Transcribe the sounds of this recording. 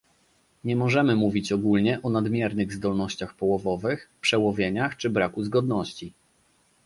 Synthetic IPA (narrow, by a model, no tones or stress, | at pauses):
ɲɛmɔʐɛmɘmuvʲit͡ɕɔɡulɲɛʔɔnad̪mʲjɛɾnɘɣzd̪ɔlnɔɕt͡ɕaxpɔwɔvɔvɘxpʂɛwɔvʲjeɲaxt͡ʂɘbɾakuzɡɔd̪nɔɕt͡ɕi